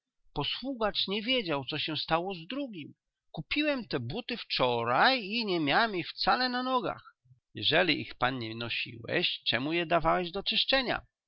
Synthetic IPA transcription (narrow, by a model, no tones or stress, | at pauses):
pɔswuɡat͡ʂɲɛvʲjed͡ʑawt̪sɔɕɛ̃st̪awɔzd̪ɾuɡʲim | kupʲiwɛmt̪ɛbut̪ɘft͡ʂɔɾajiɲɛmʲjawɛmixft̪salɛnanɔɡa̰x | jɛʐɛlʲiʔḭxpanɲɛnɔɕḭwɛ̰ɕt͡ʂɛmujɛd̪avawɛʑd̪ɔt͡ʂɘʂt͡ʂɛɲa̰